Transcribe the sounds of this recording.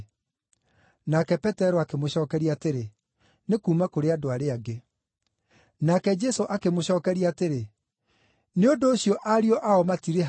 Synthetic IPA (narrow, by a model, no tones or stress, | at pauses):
nakɛpɛtɛɾɔakemoɕɔːkɛɾiateɾe | nekuːmakoɾeadoaɾeaɡe | nakɛd͡ʒɛsoʔakemoɕɔːkɛɾiateɾe | neondoːɕijɔʔaɾiɔʔaɔmatiɾe